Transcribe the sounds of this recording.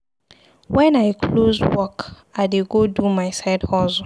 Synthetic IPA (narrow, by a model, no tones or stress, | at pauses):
wɛ̃najkʰlozwɔk | aɪdeɡodumaɪsaɪdhɔz